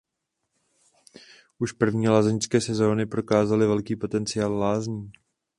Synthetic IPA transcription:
ʔuʃpr̩vɲiːlaːzɛɲskɛːsɛzo̞ːnɪpɾo̞kaːzalɪvɛlkiːpo̞t̪ɛnt͡sɪaːllaːzɲiː

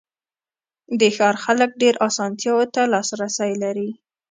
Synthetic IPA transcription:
d̪əxɑɾxalək̚ɖeɾʔɑsɑnt̪jɑwot̪alɑsɾasajlaɾi

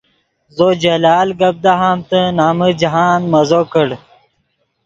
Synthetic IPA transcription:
zod͡ʑɐlaːlɡɐb̚d̪aɦaːmt̪ənaːməd͡ʑɐɦaːnmɐzokəɽ

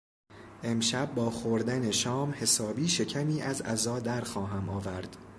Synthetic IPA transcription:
ʔe̞mʃæb̚ːɒːxoɾd̪æne̞ʃɒːmhe̞sɒːbiːʃe̞cʰæmiːʔæzæzɒːd̪æɾxɒːɦæmɒːvæɾd̪̥

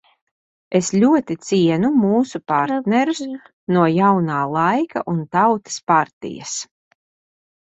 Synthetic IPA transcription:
eslʲuɔt̪it̪siɛnumuːsupaɾt̪nɛɾus | nuɔjawnaːlˠajka̰ʔunt̪awt̪ḁspaɾt̪ḭjɐ̰s

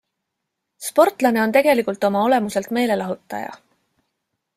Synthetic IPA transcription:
spo̞rt̪ˑlɑne̞o̞nt̪e̞ɡ̥e̞likult̪ːo̞mɑo̞le̞muse̞lt̪me̞ːle̞lɑɦut̪ːˑɑ̰jɑ̰

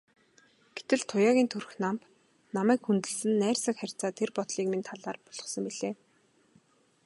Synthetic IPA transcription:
ɡ̥et̪ɘ̆ɮt̪ʰʊjaːɣʲiːnt̪ʰur̆xnamp | namæːkxunt̪ɘ̆ɮsɘ̆nːæːrsə̆kχær̥ʲt͡saːt̪ʰerpɔt̪ɮiːkmint̪ʰaɮaːrpʊɮ̥ʁɞ̆sə̆mpiɮeː

